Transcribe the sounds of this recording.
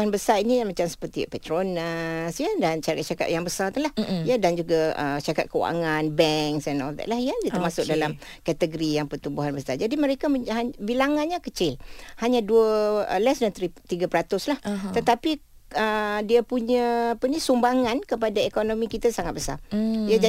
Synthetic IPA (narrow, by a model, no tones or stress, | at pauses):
uɦanbəsarinijmat͡ʃamsə̥pərt̪ipɛt̪ɾonasjadant͡ʃakat̪̚t͡ʃaka̰t̪̚jaŋbəsart̪ulahjadand͡ʒuɡaə̰ʃaka̰t̪̚kəwa̰ŋanbɛŋksɛnɔld̪ɛ̰t̪̚lahjadiat̪əɾmasʊk̚dalam | kɛt̪əɡəɾijaŋpərt̪ubuɦanbəsard͡ʒadiməɾekaabilaŋanɲãkət͡ʃɪlhaɲãduəəlɛsdant̪ɾit̪iɡapəɾat̪ʊslaht̪ət̪api | ədiapuɲaːpənĩsumbaŋãnkəpadaekonõmikit̪asaŋat̪̚bəsa̰jad͡ʒa